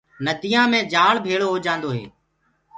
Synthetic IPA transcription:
nəd̪ɪːjãːmẽːd͡ʒaːɭbʱeːɭoːɦoːd͡ʒãːnd̪oːɦḛː

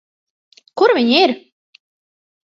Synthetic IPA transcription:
kʊɾvʲiɲiɾ

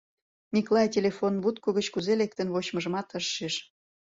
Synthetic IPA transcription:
niklˠɑjtʲelʲefonβut̪koɣət͡ɕkuzelek̚t̪ə̆nβot͡ɕməʒə̆mɑt̪əʃːeʃ

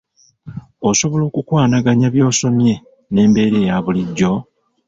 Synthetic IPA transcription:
oso̞βo̞lo̞ːkukwaːnaɡaɲaβjo̞ːso̞mje̞ | ne̞ːmbe̞ːɾe̞ːjaβuliɟːo̞

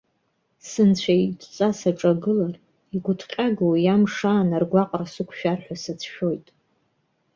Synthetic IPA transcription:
sɨnt͡ɕʷʰaitʷʰʼt͡sʼasaʈ͡ʂʼaɡɨlar | iɡʷʊtʰqʲʼaɡawjamʂaːnarɡʷaqʼrsɨkʷʰʃᶣarħʷᶣasat͡sʰʃᶣo̞jtʼ

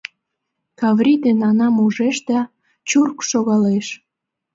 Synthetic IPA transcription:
kɑvrʲid̪enɑnɑmuʒeʃd̪ɑ | t͡ɕurkʃoɣɑleʃ

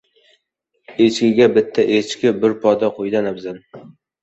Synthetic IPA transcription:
et͡ʃkʲɪɡʲabɪt̪ʰːaʔet͡ʃkʲɪbɪɾpʰɒd̪aqʰojd̪anabzan

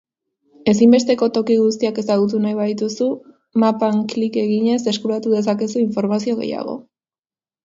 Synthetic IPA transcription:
e̞simbe̞st̪e̞ko̞t̪o̞kiɣus̬t̪iake̞saɣ̞ut̪̬unaiβaðit̪usu | mapaŋklike̞ɣiɲe̞se̞skuɾat̪uðe̞s̬ake̞suiɱfo̞ɾmasio̞ɣ̞e̞̰ja̰ɣ̞o̞̰

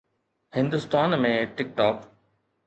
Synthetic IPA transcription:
hɪ̃nd̪ʊst̪aːnmẽːʈɪk̚ʈɔːk

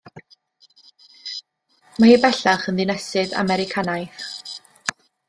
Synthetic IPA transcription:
maibɛɬaχənðɪnɛsɨða̰mɛɾɪkʰanajθ

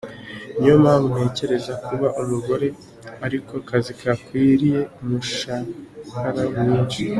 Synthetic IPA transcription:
ɲomamhe̞ːce̞ɾe̞zakuβaʔumuɡo̞ɾe̞ | aɾiko̞kazikʰakwiːɾije̞umuʃahaɾawiːɲɟi

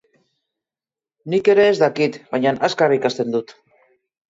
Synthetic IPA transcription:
nike̞ɾe̞ːzd̪akit̪βajɲanaskaraikast̪e̞nd̪ut̪

